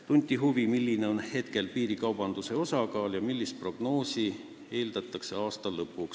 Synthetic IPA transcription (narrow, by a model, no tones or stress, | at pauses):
t̪unʲt̪ʲːiɦuvimilʲːine̞o̞nhe̞t̪ke̞lpiːɾikɑwb̥ɑnd̪̥use̞o̞sɑkɑːljɑmilʲːist̪̚pro̞ɡ̥no̞ːsi | e̞ːld̪̥ɑt̪ˑːɑkse̞ɑːst̪ɑlɤpːˑuks